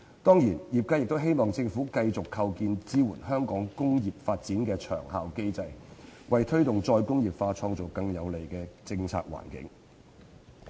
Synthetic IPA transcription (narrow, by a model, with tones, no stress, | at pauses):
t̪ɔː˥ŋjiː˨˩njiː˨p̚ka˥jɪ˨k̚t̪o˥wɦe˥jmɔː˨ŋt͡sɪ˧ŋfuː˨˥kɐ˧jt͡sʊ˨kʰːɐ˧wkiː˧nt͡siː˥wuː˨˩nɦœː˥ŋkɔː˨˥ŋkʊ˥ŋjiː˨p̚faː˧t̚t͡siː˨˥nkɛː˧t͡ʃʰœ̰ː˨˩ŋhaː˨˧wke˥jt͡sɐ˧jwɐ˨jt̪ʰɵ˥ɥt̪ʊ˨ŋt͡sɔː˧jkʊ˥ŋjiː˨pfaː˧t͡ʃʰɔː˧ŋt͡so˨˩wkɐ˧ŋjɐ˨˧wle˨˩jkɛː˧t͡sɪ˧ŋt͡sʰa̰ː˧k̚wa̰ː˨˩nkɪ̰˨˥ŋ